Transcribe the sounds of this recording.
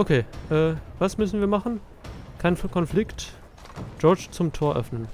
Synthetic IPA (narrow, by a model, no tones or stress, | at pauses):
ʔokʰeːʔɛːvasmʏsn̩viːɐmaχn̩ | kʰaɪnkʰɔnflɪkt | d͡ʒɔɐt͡ʃt͡sʊmtʰoːɐʔœ̰fnən